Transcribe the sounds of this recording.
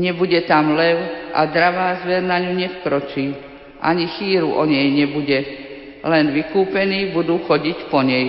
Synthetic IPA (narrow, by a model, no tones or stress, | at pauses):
ɲɛbuɟɛt̪amlɛʊʔa̰d̪ɾaʋaːzʋɛɾnaɲuɲɛfkɾɔt͡ʃiː | ʔa̰ɲixiːɾuʔɔɲɛjɲɛbuɟɛ | lɛnʋikuːpɛniːbud̪uːxɔɟicpɔɲɛj